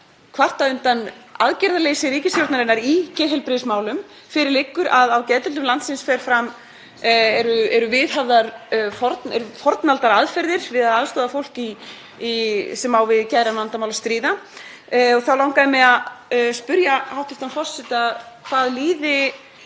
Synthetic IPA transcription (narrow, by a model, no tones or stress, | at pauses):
kʰvar̥t̪aʏnt̪ana̰ðcɛɾðalejsɪɾiːcɪsθjowɾt̪naɾɪnːaɾicɛːɦɛlpɾɪsmaːwlʏm | fɪɾɪɾlɪkːʏɾʔaðawcɛt̪ɛlt̪ʏmlant̪sɪnsfɛɾ̥fɾam | ɛɾʏɛɾʏvɪðɦavðaɾfɔɾt̪nɛ̰ɾfɔɾt̪nalt̪aɾaðfɛɾðɪɾ̥vɪðaðaðst̪ɔːðafowl̥kiː | sɛmawvɪðcajɾanant̪amawlast̪ɾiːða | ɔθawlawŋkaðɪmɛðaðspʏɾjaawht̪ɪfst̪anfɔr̥sɪt̪akʰv̥aːðliːðɪ